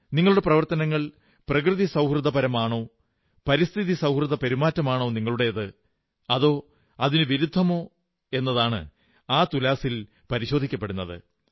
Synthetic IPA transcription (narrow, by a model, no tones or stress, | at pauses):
niŋːɐɭuɽeprɐʋɐrt̪ɐnɐŋːɐɭ | prɐk̬rɨðisɐwhrɨd̪ʱɐpɐɾɐmaːɳo̞ː | pɐɾist̪ʰiðisɐwhrɨd̪ɐpe̞ɾumaːtːɐmaːɳo̞ːniŋːɐɭuɽe̞jɐðɨ | ɐðo̞ː | ɐðinɨʋiɾud̪ʱːɐmo̞ː | e̞nːɐðaːɳɨ̰ | aːt̪ulaːsil | pɐɾiɕo̞ːd̪ʱikʲːɐp̬ːeɽunːɐðɨ̰